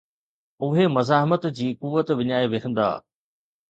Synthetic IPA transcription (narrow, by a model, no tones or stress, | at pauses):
ʊɦemɐzaːɦɪmət̪d͡ʑiːkʊʋːət̪ʋɪɲaːeʋeːkʰə̃nd̪a̰ː